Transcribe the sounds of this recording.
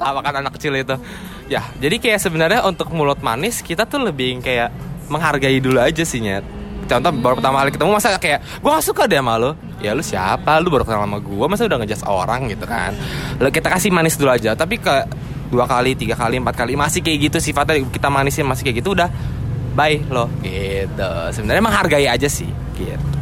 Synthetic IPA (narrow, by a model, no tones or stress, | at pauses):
t̪awakananakːə̥t͡ʃɪlit̪ʊ | jad͡ʒadikajaʔsəbənərɲaʔunt̪ʊk̚mulʊt̪̚ma̰nɪskit̪at̪ʊləbɪŋkajaʔməŋɦarɡaidulad͡ʒasɪhɲa | kit̪aunt̪abaɾupərt̪amaalikit̪amumasakajaʔ | ɡuaŋasukadaamalʊ | jalʊsia̰palʊbaɾupət̪aŋlamaɡuamas̬iudahŋəd͡ʒaso̰ɾaŋɡit̪uka̰nlokit̪akasɪmanɪsduluad͡ʒat̪ap̬ikə | duakalit̪iɡakaliəmpat̪̚kalimasɪhkaiɡit̪usifat̪akit̪amanɪsamasi̥hkajɡit̪uːdahbaɪklohɡet̪əsəbənaɾrɲaməŋɦarɡaiad͡ʒasɪ̰h | kḭt̪